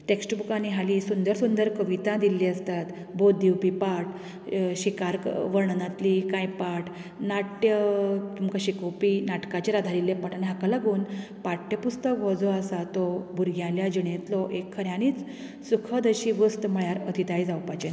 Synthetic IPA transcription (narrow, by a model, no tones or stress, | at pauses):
ʈeksʈbukaniɦalisund̪əɾsund̪əɾkəʋit̪ãd̪ilːiːəst̪at̪ | bod̪iwpipaʈ | ɕikaɾʋəɾɳnat̪likãjpaʈ | naʈjət̪umkaɕikopinaʈkat͡ɕiɾad̪ʱaɾilːjepaʈʰanɦakalaɡuːn | paʈjəpust̪əkʋɔd͡zɔəsat̪ɔbuɾɡjãljad͡ʑiɳẽt̪lɔʔekʰːəɾjãniːt͡s | sukʰəd̪əɕiʋəst̪məɭjaɾət̪ʰit̪aid͡zawpat͡ɕen